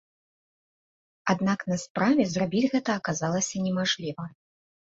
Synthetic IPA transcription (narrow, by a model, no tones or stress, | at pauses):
ad̪naknɐspɾavʲɛzrabʲid͡zʲɣɛt̪ɐːkazalˠɐsʲɐnʲɛmaʐlʲivɐ